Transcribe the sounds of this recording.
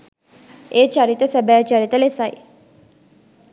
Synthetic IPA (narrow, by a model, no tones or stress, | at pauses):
eːt͡ʃaɾit̪əsɛbæːt͡ʃaɾit̪əlesɐj